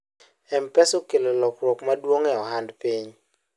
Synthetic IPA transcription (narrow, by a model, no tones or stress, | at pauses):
ɛmpɛsokelelɔkɾwɔkmadwoŋɛɔɦandpiɲ